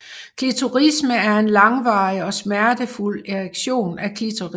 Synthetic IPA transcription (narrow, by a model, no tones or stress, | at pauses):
kʰit͡sʰuʁisməæɐe̝nlɑ̈ŋʋɑ̈iɒ̽smæɐd̥əful̰eʁeɡ̥ɕo̝̰ːnækʰit͡sʰoʁi